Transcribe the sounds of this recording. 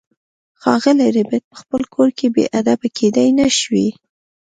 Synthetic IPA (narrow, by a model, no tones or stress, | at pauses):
xɑɣəleɾebet̪̚pə̥xpəlkʰoɾkebḛʔad̪abakʰed̪ajnaʃwi